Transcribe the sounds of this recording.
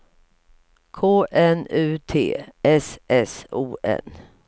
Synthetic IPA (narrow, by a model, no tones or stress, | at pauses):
kʰoːʔɛnʉ̟ːt̪ʰḛːʔɛsʔɛsuːʔɛ̰n